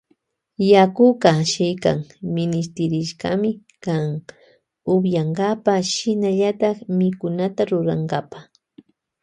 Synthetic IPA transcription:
jakʊɢɑʃɪjka̰ŋmɪnɪs̬t̪ɪɾɪʃkamɪ | kaŋ | ʊbjaɴɡapaʃɪnaʎat̪ɑχmɪkʊnat̪aɾʊɾaŋɡapa

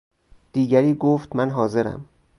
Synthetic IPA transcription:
d̪̥iːɟæɾiːɡoːft̪mænɦɒːze̞ɾæ̰m

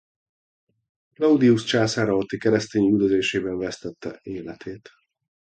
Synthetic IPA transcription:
klɒud̪iust͡ʃaːsaːɾɒɔt̪ːikɛɾɛst̪eːɲyd̪øzeːʃeːbɛɱvɛst̪ɛt̪ʰːɛ̰eːlɛt̪ʰeːt̪

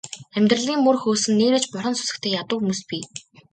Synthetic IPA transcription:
æmʲt̪rə̆ɮiːŋmɵrxoːsɘ̆nːeːɾeːt͡ɕpɔɾə̆nsʊ̥sɘ̆kt̪ʰeːjat̪ʊ̆ːxumuːspiː

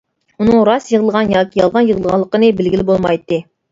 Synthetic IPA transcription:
unɨŋɾɑsjəʁəlˠʁɑnjɑːkʲijɑlˠʁɑnjəʁəlˠʁɑnlˠːəqənɨbɪlɡʲilɪbolˠmɑjt̪ːɨ

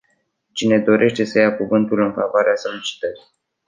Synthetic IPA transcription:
t͡ʃine̞d̪o̞ɾʔe̞ʃt̪e̞səjakuvɨnt̪ulɨnfavoaɾeaso̞lit͡ʃi̥t̪əɾi̥

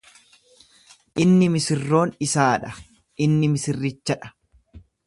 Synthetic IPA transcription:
ʔɪnːɪmɪsɪrːo̞ːnɪsaːᶑɐ | ʔɪnːɪmɪsɪrːɪt͡ʃːɐᶑɐ̥

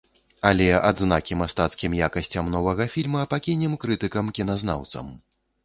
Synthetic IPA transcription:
ɐlʲɛʔa̰d̪znakʲimast̪at̪skʲimjakɐsʲt͡sʲɐmnɔvɐɣɐfʲilʲmɐpakʲinʲɛmkɾɨt̪ɨkɐmkʲinazna̰wt̪sɐ̰m

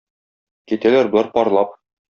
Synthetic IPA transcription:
kit̪ælæɾbŏlˠɑɾpɒɾlˠɑp̚

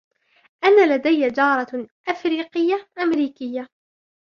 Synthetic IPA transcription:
ʔanːalad̪ajad͡ʒɑːɾˤɑʔafɾiːqɪjːaʔamɾiːkɪjːa

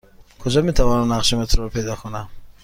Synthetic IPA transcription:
kʰud͡ʒamet̪ʰavɔnanːaqʃimat̪ʰuɾɔpʰed̪ɔkʰuna

